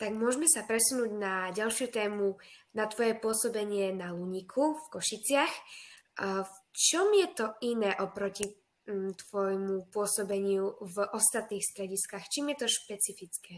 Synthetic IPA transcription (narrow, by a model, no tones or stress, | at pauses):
t̪aɡmʊɔʒmɛsapɾɛsunuːɟnaɟalʃjut̪ɛːmunat̪ʋɔjɛpʊɔsɔbɛɲɪɛnaluɲikʰufkɔʃit͡sɪax | ft͡ʃɔmjɛt̪ɔinɛːʔɔpɾɔci | t̪ʋɔjmupʊɔsɔbɛɲɪuvʔɔst̪at̪niːxst̪ɾɛɟiskaxt͡ʃiːmjɛt̪ɔʃpɛt͡sifit͡skɛː